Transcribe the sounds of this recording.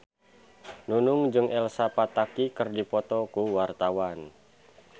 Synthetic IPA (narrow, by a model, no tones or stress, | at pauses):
nunuŋd͡ʒɨŋʔɛlsapat̪akikɨrdipɔt̪ɔkuwart̪awan